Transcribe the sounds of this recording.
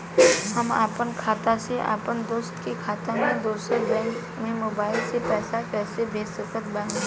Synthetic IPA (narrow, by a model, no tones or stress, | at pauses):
həma̰ːpənkʰaːt̪aseʔa̰ːpənd̪oːst̪kekʰaːt̪amẽd̪oːsəɾbɛ̃ːŋk | mẽmoːbaːɪlsepɛːsakɛːsebʱeːd͡ʒsəkət̪̚bə̃